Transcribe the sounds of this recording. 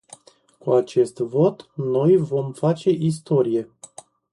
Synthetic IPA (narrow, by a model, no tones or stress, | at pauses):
kuat͡ʃe̞st̪vo̞t̪no̞jvo̞mfat͡ʃe̞ʔis̬t̪o̞ɾije̞